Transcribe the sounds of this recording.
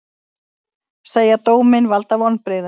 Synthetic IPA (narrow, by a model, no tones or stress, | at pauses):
seːjat̪oːwmɪnvalt̪avɔnpɾɪðʏ